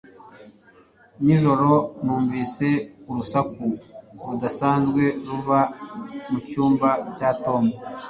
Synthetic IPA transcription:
niʒo̞ɾo̞nuːɱviːse̞uɾusakuɾudasaːnzɡwe̞ɾuvamucuːmbacato̞mu

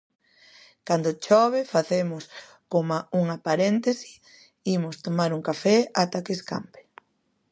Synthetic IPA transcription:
kand̪ot͡ʃɔβefaθemʊs | komauŋapaɾent̪esi̥ | imʊst̪omaɾuŋkafɛat̪akeska̰mpe̥

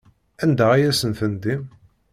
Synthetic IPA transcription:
ænd̪æʁijæsənθənd̪im

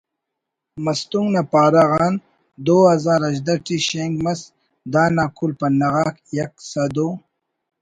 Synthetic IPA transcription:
mɐst̪uŋɡnapaːɾaɣɑːn | d̪oːazaːɾɐʑd̪ɐʈiɕeŋɡmɐs | d̪aːnaːkulpɐnɐʁakjɐksad̪o

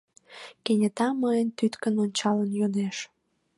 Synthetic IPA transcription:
kenʲət̪ɑməjənt̪yt̪kənonʲt͡ɕɑlənjod̪eʃ

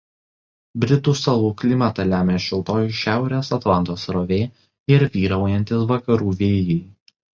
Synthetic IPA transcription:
bʲɾʲɪt̪uːsɐlˠuːklʲɪmʲɐt̪ɐlʲæːmʲeːʃʲɪlˠt̪oːjʃʲæˑʊɾʲeːsɐt̪lˠɑnt̪oːsɾoʋʲeː | ɪɾʋʲiːɾɐʊjɛnʲt̪ʲɪsʋɐkɐɾuːʋʲeːjɛɪ

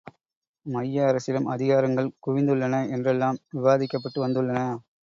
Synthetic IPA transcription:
mɐjːɐɐɾɐsɪlɯmʔɐðɪɣaːɾɐŋɡɐɭkʊʋɪnd̪ɯɭːɐnɐɛndrɛlːaːmʋɪʋaːðɪkːɐpːɐʈːɯʋɐnd̪ɯɭːɐnɐ

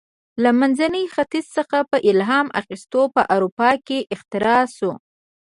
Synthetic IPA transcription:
lamanzanəjxat̪izsəxapəʔɪlɦɑma̰xist̪opəʔawɾupɑkeʔɪxt̪ɪɾɑso

